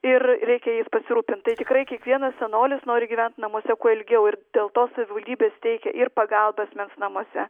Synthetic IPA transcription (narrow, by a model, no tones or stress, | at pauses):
ɪrɾʲɛɪkʲɛjispɐsʲɪɾuːpʲɪnt̪t̪ɐɪt̪ʲɪkɾɐɪkʲiɛkʋʲiɛnɐssʲɛnoːlʲɪsnoːɾʲɪɡʲiːʋʲɛnt̪nɐmuɔsʲɛkuɔɪlʲɡʲɛʊɪrd̪̥ʲeːlˠt̪oːsɐʋʲɪʋɐlʲd̪ʲiːbʲeːst̪ʲɛɪkʲɛ̰ʔɪrpɐɡɐlˠbɐsʲmʲɛnsnɐmuɔsʲɛ̰